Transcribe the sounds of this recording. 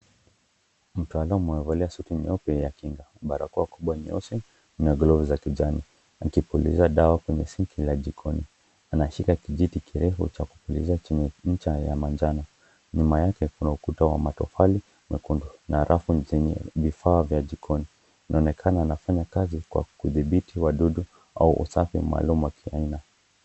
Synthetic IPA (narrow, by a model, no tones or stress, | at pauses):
m̩tualamuɛvaliasutiɲiɔpɛjakiŋɡaɓaɾakuakuɓwaɲiɔ̰sɛ | naɡlɔvzakid͡ʒani | akipulḭzaɗawakwɛɲɛsiŋkʰilad͡ʒikʰɔni | anaʃikakiʄitikʰiɾɛfṵt͡ʃakupulḭzat͡ʃɛɲɛɲ̩t͡ʃaja̰mand͡ʒana | ɲumajakɛkunaukutawa̰matɔfali | mɛkundunaɾʔafuzɛɲɛ̰vifaːvjad͡ʒikʰɔni | inʔaɔnɛkʰanaːnafaɲakazikwa̰kuðiɓitiwaɗuɗu | a̰uʔṵsafḭma̰ːlumuwakʰiaina